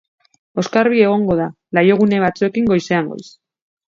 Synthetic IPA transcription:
o̞skaɾβ̞ie̞ɣ̞o̞ŋɡo̞ð̞a | lajo̞ɣ̞une̞β̞at͡sue̞kiŋɡo̞jse̞aŋɡo̞̰js

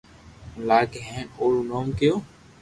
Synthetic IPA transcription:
laːkeɦẽːnoːlunoːmkejoː

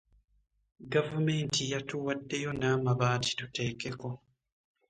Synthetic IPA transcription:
ɡavume̞ːntijatuwadːe̞jo̞naːmaβaːti̥tute̞ːke̞ko̞

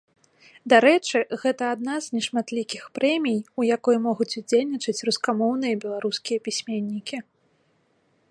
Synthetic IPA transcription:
d̪aɾɛt͡ʂɨɣɛt̪ɐad̪̚naznʲɛʂmat̪lʲikʲixpɾɛmʲijujakɔjmɔɣut͡sʲud͡zʲelʲnʲit͡ʂɨt͡sʲruskamɔwnɨjɐbʲɛlˠaɾuskʲijɐpʲisʲmʲenʲːikʲi

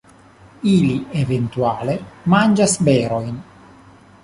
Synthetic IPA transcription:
ilievent̪uaːlemand͡ʒasbeːɾojn

